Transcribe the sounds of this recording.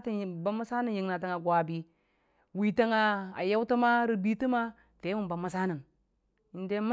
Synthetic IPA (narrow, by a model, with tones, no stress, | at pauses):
ti˦˨ba˦mːu˦sa˦na˦˨ji˨ŋna˨ta˨ŋa˨ɡwa˨bi˨ | wi˨ta˦ŋa˨a̰˨ja˦wta˦ma˦ɾi˨bi˦ti˦ma˦ | te˨˦mu˨mba˨mːu˦sa˦nə˨n | i˨nde˦m˦